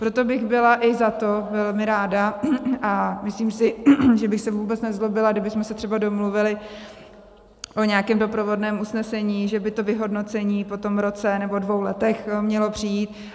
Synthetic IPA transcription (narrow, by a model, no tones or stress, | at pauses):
pɾot̪o̞bɪɣbɪlaʔɪzat̪o̞vɛlmɪɾaːdaʔamɪsliːmsɪʒɛbɪxsɛvuːbɛt͡snɛzlobɪlaɡdɪbɪsmɛsɛt̪r̥ɛbado̞mluvɪlɪ | ʔo̞ɲaakɛːmdo̞pɾovo̞dnɛːmusnɛsɛɲiːʒɛbɪt̪o̞vɪɦo̞dno̞t͡sɛɲiːpo̞t̪o̞mɾo̞t͡sɛnɛbodvo̞wlɛt̪ɛxmɲɛlo̞pr̝̥ɪjiːt̪̚